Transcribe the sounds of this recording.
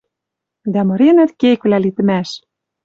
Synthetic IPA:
d̪æmɤ̆ɾenæ̆t̪kekβlælit̪ɘ̆mæʃ

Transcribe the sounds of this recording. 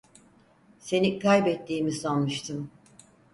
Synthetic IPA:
se̞nikʰajbɛt̪ːiːmisanmɯʃt̪ʰɯm

